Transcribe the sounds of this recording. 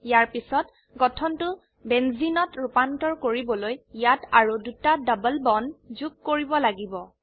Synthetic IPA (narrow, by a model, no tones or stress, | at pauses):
jaɹpisɔt | ɡɔtʰɔntʊ | bɛnzinɔtɹupantɔɹkoɹibɔlojjataɹudutadɔbəlbɔnzuk̚koɹibɔlaɡibɔ